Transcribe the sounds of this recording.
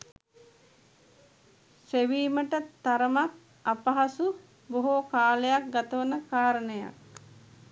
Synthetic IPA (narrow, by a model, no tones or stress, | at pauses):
seʋiːməʈət̪aɾəmak̚ | apɐɦasu | boɦokaːlejak̚ɡat̪əʋənəkaːɾənəja̰k̚